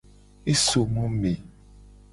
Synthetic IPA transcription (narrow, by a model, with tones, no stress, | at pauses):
e˦so˨mɔ̃˦mẽ˨